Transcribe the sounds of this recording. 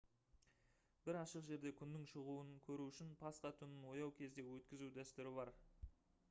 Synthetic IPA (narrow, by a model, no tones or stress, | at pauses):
b̥ɪɾɑʃəqʒe̞ɾd̪e̞kʲʰʏnːɪŋʃəʁuənkʲʰɵɾuʏʃɪnpʰɑsqɑt̪ʰʏnɪnwo̞jɑwkʲʰe̞zd̪e̞wɵt̪kʲɪzud̪æst̪ʏɾɪbɑɾ